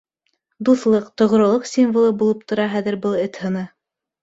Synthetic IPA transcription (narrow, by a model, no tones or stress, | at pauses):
d̪uθlˠɤqt̪ŏʁ̆ɾŏlˠɤqsʲimvŏlˠɤbulˠɤp̚t̪ŏɾɑɦæðɘ̆ɾbɤlˠɘt̪hɤ̆nɤ